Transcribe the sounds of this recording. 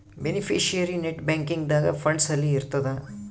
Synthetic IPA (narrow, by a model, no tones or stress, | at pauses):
benipʰiːʃiɐɾineʈbẽːŋkiŋɡd̪aːɡɐ̰fʰɐɳɖsɐlːiːɾt̪ɐd̪ɐ